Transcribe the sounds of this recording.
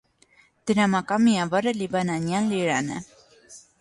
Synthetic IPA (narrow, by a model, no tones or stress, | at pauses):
d̪̥əɾamakamiavaɾəlivananjanliɾanə̰